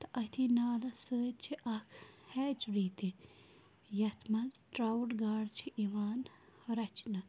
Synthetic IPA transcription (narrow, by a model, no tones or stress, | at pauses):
t̪ɐʔɐt̪ʰinaːlɐsəːt͡ʃʰiʔɐkʰhɛːt͡ʃɾiːt̪i | jɐt̪ʰmɐnzʈɾɐwʈɡaːɽt͡ʃʰiʔiʋaːn | hɐɾɐt͡ʃnɐ